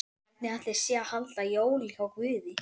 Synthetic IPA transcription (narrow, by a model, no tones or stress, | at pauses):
nɛat̪lɛɾ̥sjɛahalt̪ajoːwlɛɣawkvɪðɪ